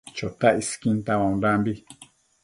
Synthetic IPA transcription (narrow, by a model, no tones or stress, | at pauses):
t͡ʃot̪aiskĩnt̪awãũnɾambi